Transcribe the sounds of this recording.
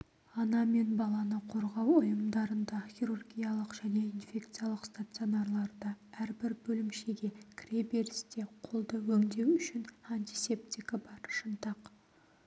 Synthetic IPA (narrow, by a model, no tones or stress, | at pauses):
ɑnɑme̞nbɑlˠɑnəqʰo̞ɾʁɑwʊjəmd̪ɑɾənd̪ɑxʲiɾurɡʲijalˠəqʒ̥æne̞infʲe̞kt̪sɨijalˠəqst̪at̪sɨo̞nɑrlˠɑɾd̪ɑæɾbɪɾbɵlɪmʃe̞ɡʲe̞kʰʲrʲebeɾst̪e̞qʰolˠd̪əwɵŋd̪e̞wʏʃɪnanʲt̪ʲise̞pt̪ʲikabɑɾʃənt̪ɑq